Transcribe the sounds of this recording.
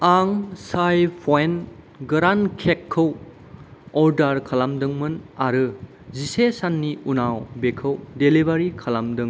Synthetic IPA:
aŋsajpʰɔen | ɡɐɾankʰekʰːɯw | ɔɾdaɾkʰalamdɯŋmɯnaɾɯ | zisesanːiunawbekʰɯwdelibaɾikʰalamdɯŋ

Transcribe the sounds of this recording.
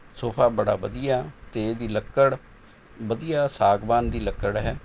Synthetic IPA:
soːpʰaːbəɽa̰ːbəd̪ijaːt̪eːd̪iːləkːəɽ | bəd̪ijaːsaːɡbaːnd̪iːləkːəɽɦɛː

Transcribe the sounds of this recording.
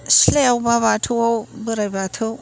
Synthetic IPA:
sleawbabatʰɯwawbɯɾajbatʰɯw

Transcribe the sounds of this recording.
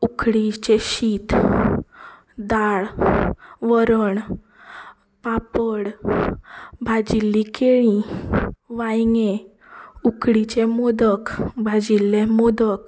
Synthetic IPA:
ukʰɽit͡ɕeɕit̪ | d̪aɭ | ʋəɾəɳ | papəɽ | bʱad͡ʑilːikeɭĩ | ʋãjŋẽ | ukʰɽit͡ɕemod̪əkbʱad͡ʑilːemod̪ək

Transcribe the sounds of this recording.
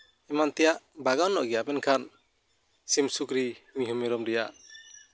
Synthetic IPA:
ɛmant̪ɛjaʔbaɡawnːɔʔɡɛjabɛnkʰan | simsukɾimiɦumɛɾɔmdɛja̰ʔ

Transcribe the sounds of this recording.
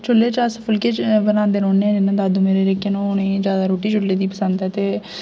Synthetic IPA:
t͡ʃʰʊlːeːt͡ʃasəpʰʊlkeːt͡ʃbənãːnd̪eːɾõːneːɛ̃ːd͡ʒɪnːãːd̪aːd̪ũmeːɾeːɾekːẽːnõːʊnẽːzjaːd̪aːɾoːʈiːt͡ʃʊlːeːd̪iːpəsənd̪ɛːt̪eː

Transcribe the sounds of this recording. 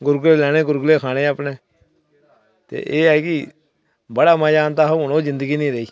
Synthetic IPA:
ɡʊɾɡleːlɛːɽ̃eːɡʊɾɡleːkʰaːɽeːapɳeː | t̪ḛːʔeːɛːkɪ | bəɽaːmãːd͡ʒaːnt̪aːɦonoːzɪnd̪əɡiːnĩːɾəiː

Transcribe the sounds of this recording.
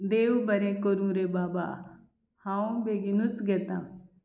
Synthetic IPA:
d̪eːʋubɐɾẽkoɾũɾebaːba̰ | hãũbeɡinut͡sɡet̪ã̰

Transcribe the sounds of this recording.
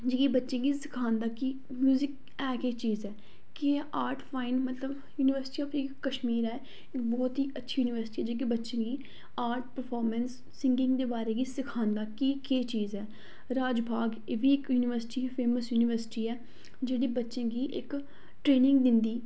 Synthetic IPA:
d͡ʒeːkiːbətːʃẽːɡiːsɪkʰãːnd̪aːkiː | mjuːzɪk | ɛːket͡ʃiːzɛː | keʔaːɾʈʰpʰaːɪnmət̪ləb | juːnɪʋəɾsɪ̥ʈiːɔːpiɪkːəʃmiːɾɛː | ɪkbɔːt̪ɦiːətːʃʰiːjuːnɪʋəɾsɪ̥ʈiːɛːd͡ʒeːkibətːʃẽːɡiː | aːɾʈ̚pəɾpʰɔːɾmənsːɪŋɡɪ̃ŋɡd̪eːbaːɾeːɡiːsɪkʰaːnd̪aːkiːkeːt͡ʃiːzɛː | ɾaːd͡ʒbʱaːɡ | eʋiːɪkjuːnɪʋəɾsɪ̥ʈiːpʰeːməsjuːnɪʋəɾsɪ̥ʈiːɛː | d͡ʒeːɽiːbətːʃẽːɡiːʔɪk | ʈɾeːnɪ̃ŋɡd̪ɪnd̪iː

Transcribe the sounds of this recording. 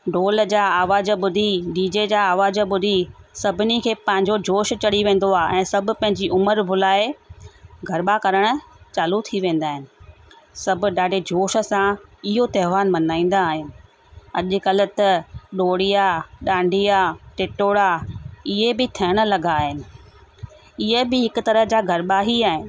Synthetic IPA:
ɖoːld͡ʑaːaːʋaːd͡ʑəɓʊd̪ʱiɖiːd͡ʑed͡ʑaːʋaːzbʊd̪ʱisɐbʱɪnikʰeːpɐ̃ɦɪ̃ɲ̆d͡ʑod͡ʑʱoːʃt͡ɕɐɽiʋẽːn̆d̪oaːʔɛ̃ːsɐbʱʊ̆pɐ̃ɦɪ̃ɲd͡ʑiʔʊməɾbʱʊlaːe | ɡʱɐɾɓakɐɾəɽ̃t͡ɕaːlut̪ʰiʋẽːn̆d̪aːɦɪnɪ̆ | sɐb̆ʱɗaːɖʱed͡ʑoːʃə̆sãɪɦot̪ɐɦɪʋaːnmɐnaːĩːn̆d̪aːɦɪnɪ̆ | ɐʄʊ̆kɐlə̆t̪ɐɗoːɽijaɗãːɳɖʱijaʈɪʈoːɽaɪɦebɪt̪ʰɐjəɽ̃̆lɐɡaːɦɪnɪ̆ | ɪɦebɪɦɪkʊ̆t̪ɐɾəɦd͡ʑaːɡʱɐɾɓaːɦiaːɦɪnɪ̆

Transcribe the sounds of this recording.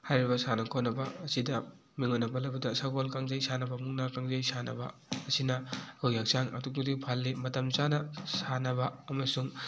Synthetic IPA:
hajɾibɐsanɐkʰonɐbɐːsidɐ | miŋonːɐpɐlɐbɐdɐsaɡolkaŋzɐjsanɐbɐmuŋnakaŋzɐjsanɐ̰bɐːsinɐhɯwjak̚saŋɐ̰duk̚nudipʰalːimɐtɐmt͡ʃanɐsanɐbɐːmɐsuŋ

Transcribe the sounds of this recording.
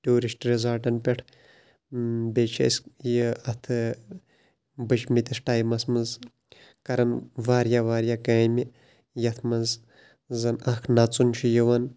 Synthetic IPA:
ʈʲuːɾisʈɾʲezaːʈɐnpʲeʈʰ | beːt͡ʃʰɐ̰sjəɐt̪ʰɨ | bɨt͡ʃʰmit̪isʈaːjmɐsmɐnz | kɐɾɐnʋaːɾjaʋaːɾjaːkɐːmi | jɐt̪ʰmɐnz | zɐnɐkʰnɐt͡sunt͡ʃʰijiʋɐn

